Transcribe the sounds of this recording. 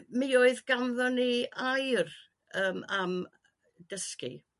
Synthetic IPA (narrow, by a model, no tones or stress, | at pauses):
mioːɨðɡamðɔniajr | əːmam | d̥əskḭ